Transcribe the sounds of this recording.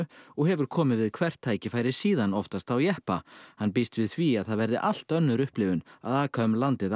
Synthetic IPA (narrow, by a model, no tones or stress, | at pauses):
ɔɣɦɛvʏɾ̥kʰɔːmɪðvɪðkʰvɛr̥t̪ʰːaːjcɪfaːjɾɪ̥siːðanɔft̪ast̪awjɛhpahanːpist̪vɪðθviaðθaðvɛɾðɪʔal̥t̪œnːʏɾʏhplɪvʏna̰ðaːkʰaʏmlant̪ɪð